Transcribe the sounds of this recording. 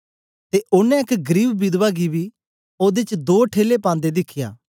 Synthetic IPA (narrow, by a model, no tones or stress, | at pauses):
t̪eʔʊnɛ̃ɪkɡəɾiːbbɪd̪ʋaːɡibi | oːd̪et͡ʃd̪oːʈʰeːlepãːnd̪ed̪ɪkʰɪja̰ː